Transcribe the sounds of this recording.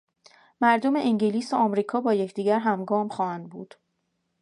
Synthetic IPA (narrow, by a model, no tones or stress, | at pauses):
mæɾd̪o̞me̞ʔiŋɟeliːsoɒmɾiːkʰɒːbɒːjecʰd̪̥iːɟæɾɦæmɡɒːmχɒːhænd̪̚buːd̪̥